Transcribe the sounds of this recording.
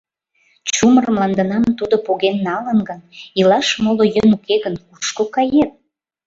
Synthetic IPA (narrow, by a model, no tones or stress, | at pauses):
t͡ɕumərmlɑnd̪ənɑmt̪ud̪opoɣenːɑlənɡənilɑʃmolojønukeɣənkuʃkokɑjet̪̚